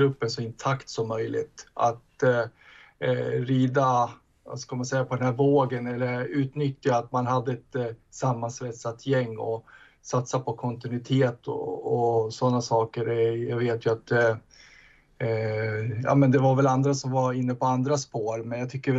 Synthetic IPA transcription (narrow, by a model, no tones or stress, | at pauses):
ɡɾɵpːənsɔɪnt̪ʰakt̪sɔmːœjlɪ̰t̪a̰t̪ | ɾiːd̪a | va̰skalmansɛjːapʰɔd̪ɛnhæːɾvoːɡənɛlːəɾʉ̟ːt̪nʏt̪ːjaːt̪manɦad̪ːəɛt̪samːansvɛt̪sat̪jɛŋːɔ | sat̪sapʰɔkʰɔnt̪ɪnʉɪt̪ʰeːt̪ʰɔ̰ː | sɔnːasɑːkəɾɛjaɡveːt̪jɵat̪ | jɑ̰ːmɛnd̪ɛvaɾvɛland̪ɾasɔmvaɾɪnːəpɔand̪ɾaspoːɾmɛnjat̪ʰʏkːəɾɛ